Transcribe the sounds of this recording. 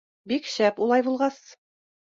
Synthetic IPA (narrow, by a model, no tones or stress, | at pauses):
bikɕæpulˠɑjbulˠʁɑs